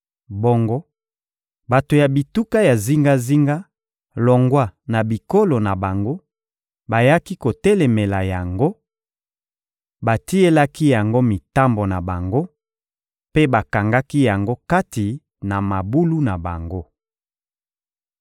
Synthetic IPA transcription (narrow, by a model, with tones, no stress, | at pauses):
bo˦ŋɡɔ˦ | ba˨to˨ja˨bi˨tu˦ka˦ja˨zi˦ŋɡa˦zi˦ŋɡa˦ | lɔ˨ŋɡwa˦na˨bi˨ko˦lo˨na˨ba˨ŋɡo˦ | ba˨ja˦ki˦ko˨tɛ˦lɛ˨me˨la˨ja˨ŋɡo˦ | ba˨ti˦e˦la˦ki˦ja˨ŋɡo˦mi˨ta˦mbo˨na˨ba˨ŋɡo˦ | pe˦ba˨ka˨ŋɡa˦ki˦ja˨ŋɡo˦ka˦ti˨ | na˨ma˨bu˦lu˦na˨ba̰˨ŋɡo˦